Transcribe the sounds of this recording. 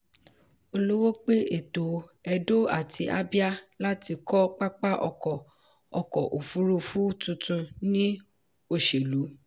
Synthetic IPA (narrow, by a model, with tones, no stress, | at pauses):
o˧lo˦wo˦k͡pe˦ʔe˨to˨ɛ˧do˦a̰˦˨tʰi˧˦ʔa̰˦bi˦a˦la˦ti˧kɔ˦k͡pa˦k͡pa˦ʔɔ̰˧kɔ˨ | ɔ˧kɔ˨ʔo˨fu˨˦ɾu˧fu˦tũ˧tũ˧nĩ˦ | o˦˨ʃe˨lu˨˦